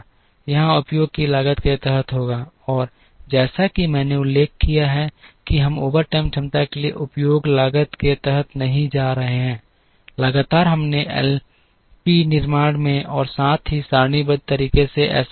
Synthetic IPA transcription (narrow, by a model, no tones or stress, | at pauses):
jɐɦãʊpjoːɡ̚kilaːɡət̪ket̪ɛɦət̪ʰɦoːɡaː | ɔːɾ | d͡ʒɛːsakimɛ̃ːneʊlːeːkːijaɦɛkiɦɐmoːbəɾʈɛːmt͡ʃʰɐ̃mt̪akeliḛʔʊpjoːɡlaːɡət̪ket̪ɛɦət̪nɐɦĩd͡ʒaːɾɐɦeɦɛ̃ː | lɐɡaːt̪aːɾɦɐmneʔɛ̰l | pinɪɾmaːɽ̃mẽɔːɾsaːt̪ʰɦisaːɾñibəd̪̚t̪əɾiːkeseʔɛ̰ːs